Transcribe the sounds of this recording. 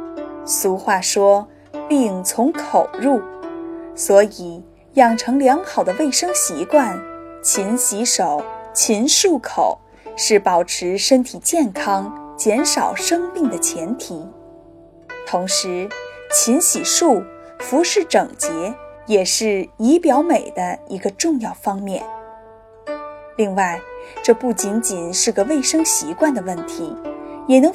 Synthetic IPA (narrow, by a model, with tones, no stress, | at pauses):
su˧˥xwa˥˩ʂwɔ˥ | pi˥˩ŋt͡sʰʊ˧˥ŋkʰo˨˩ʊɻu˥˩ | swɔ˧˥i˨˩ | jɑ˥˩ŋʈ͡ʂʰɤ˧˥ŋljɑ˧˥ŋxɑ˨˩ʊd̪ə˦we˥˩ɪʂɤ˥ŋɕi˧˥kwa˥˩nt͡ɕʰi˧˥nɕi˧˥ʂo˨˩˦ʊt͡ɕʰi˧˥nʂu˥˩kʰo˨˩˦ʊ | ʂɻ̩˥˩pɑ˨˩ʊʈ͡ʂʰɻ̩˧˥ʂə˥nt̪ʰi˨˩t͡ɕjɛ˥˩nkʰɑ˥ŋt͡ɕjɛ˧˥nʂɑ˨˩ʊʂɤ˥ŋmi˥˩ŋd̪ə˩t͡ɕʰjɛ˧˥nt̪ʰi˧˥ | t̪ʰʊ˧˥ŋʂɻ̩˧˥t͡ɕʰi˧˥nɕi˨˩ʂu˥˩fu˧˥ʂɻ̩˥˩ʈ͡ʂɤ˨˩ŋt͡ɕjɛ˧˥jɛ˨˩ʂɻ̩˥˩i˧˥pjɑ˧˥ʊme˨˩ɪd̪ə˦i˧˥ɡə˧ʈ͡ʂʊ˥˧ŋjɑ˥˩ʊfɑ˥ŋmjɛ˥˩n | li˥˧ŋwa˥˩ɪʈ͡ʂɤ˥˧pu˥˩t͡ɕi˧˥nt͡ɕi˨˩nʂɻ̩˥˩ɡə˩we˥˩ɪʂɤ˥ŋɕi˧˥kwa˥˩nd̪ə˩wə˥˩nt̪ʰi˧˥jɛ˨˩nɤ˧˥